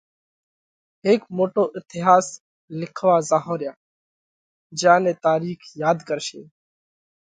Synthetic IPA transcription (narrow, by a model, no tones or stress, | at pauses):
ɦeːkmoːʈoːʔɪt̪ɪɦaːs | lɪkʰʋaːzaːɦõːɾjaː | d͡ʒãːnẽːt̪aːɾiːkʰjaːd̪kəɾʃḛ̃ː